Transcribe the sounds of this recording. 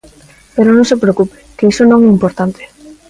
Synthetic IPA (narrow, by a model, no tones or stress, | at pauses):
peɾonõŋsepɾeokupe̥keisonõŋɛimpoɾt̪ant̪e̥